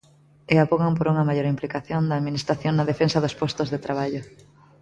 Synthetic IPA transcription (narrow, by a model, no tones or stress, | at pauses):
eapoɣampoɾuŋɐmaʎoɾimplikaθjond̪ɐːðminist̪ɾaθjoŋnɐðefensɐðospɔst̪ozðet̪ɾaβ̞aʎʊ